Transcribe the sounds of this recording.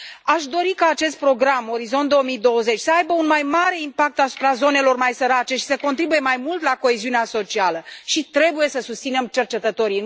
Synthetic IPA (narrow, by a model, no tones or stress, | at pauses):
aʃd̪o̞ɾikaːt͡ʃe̞st̪̚pɾo̞ɡɾamo̞ɾizo̞nt̪d̪oomid̪o̞wəze̞t͡ʃʲsəajbəunmajmaɾe̞impak̚t̪asu̥pɾazo̞ne̞lo̞rmajsəɾat͡ʃe̞ʃi̥səko̞nt̪ɾibuje̞majmult̪lako̞e̞ziuneaso̞t͡ʃialəʃit̪ɾe̞buje̞səsust̪sinemt͡ʃe̞rt͡ʃe̞t̪ət̪o̞ɾiɨ